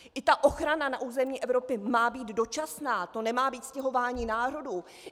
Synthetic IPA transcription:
ʔɪt̪aʔo̞xɾananaʔuːzɛmɲiːʔɛvɾo̞pɪmaːbiːd̪do̞t͡ʃasnaːt̪o̞nɛmaːbiːt̪scɛɦo̞vaːɲiːnaːɾo̞duː

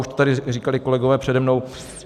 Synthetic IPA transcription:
uʃt̪ot̪adɪriːkalɪko̞lɛɡovɛːpr̥ɛdɛmno̞w

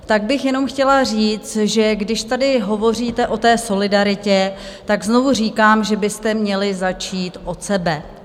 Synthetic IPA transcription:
t̪aɡ̚bɪxjɛno̞mxcɛlar̝iːt͡st̪ʒɛɡdɪʃt̪adɪɦo̞vo̞riːt̪ɛʔo̞t̪ɛːso̞lɪdaɾɪcɛt̪aɡzno̞vuriːkaːmʒɛbɪst̪ɛmɲɛlɪzat͡ʃiːt̪ʔo̞t̪sɛbɛ

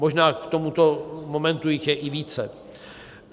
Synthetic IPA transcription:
mo̞ʒnaːkt̪omut̪o̞mo̞mɛnt̪ujɪxjɛʔɪviːt͡sɛ

